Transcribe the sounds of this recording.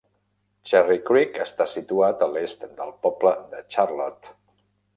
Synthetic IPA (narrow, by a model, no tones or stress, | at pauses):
t͡ʃɛrikɾikəst̪asit̪uat̪əlest̪d̪əlˠpɔbləd̪ət͡ʃarlɔt̪